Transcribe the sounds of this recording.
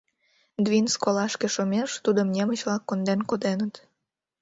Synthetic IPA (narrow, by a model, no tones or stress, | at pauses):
d̪vinskolɑʃkeʃomʲeʃt̪ud̪əmnʲemət͡ɕβlɑkːond̪enkod̪enət̪